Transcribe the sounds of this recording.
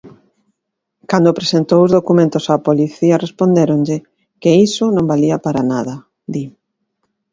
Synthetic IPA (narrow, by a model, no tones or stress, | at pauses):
kand̪opɾesent̪owʊzðokumẽnt̪ʊsaːpoliθiɐrespond̪eɾoŋʎɪ | keisʊnõmbaliɐpaɾanaðɐ | d̪i